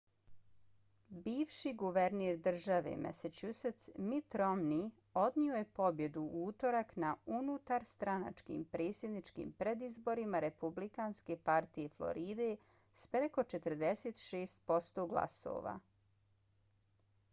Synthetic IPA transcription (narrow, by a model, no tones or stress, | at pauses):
biːʋʃiɡuʋeɾneːɾd̪r̩ʒaʋe̞̰mʔesat͡ɕuset̪smit̪ɾomni | o̞d̪nioje̞po̞bje̞d̪uuːt̪o̞ɾaknaunut̪aɾst̪ɾana̰t͡ʃkḭːmpɾe̞ːt̪sje̞d̪nit͡ʃkḭːmpɾed̪izbo̞ɾimaɾe̞publikaːnske̞paɾt̪ije̞flˠo̞̰ɾiːd̪e̞ | spɾeko̞t͡ʃet̪əɾd̪eset̪ʃeːst̪̚po̞st̪o̞ɡlˠa̰so̰ʋa̰ː